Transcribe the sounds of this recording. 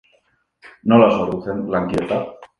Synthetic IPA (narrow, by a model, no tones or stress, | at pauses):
nolasoɾuθenlaŋkjet̪a